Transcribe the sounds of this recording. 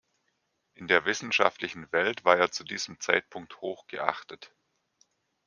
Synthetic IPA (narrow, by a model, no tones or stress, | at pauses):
ʔɪndeːɐvɪsn̩ʃa̰ftlɪçn̩vɛltv̥aːɐeːɐt͡sudiːz̥əm̩t͡sa̰ɪt̚pʰʊŋk̚thoːxɡ̥əʔa̰χtət